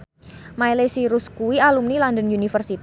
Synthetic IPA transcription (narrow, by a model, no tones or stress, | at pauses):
majlesiɾuskuialumnilɔndənunifərsit̪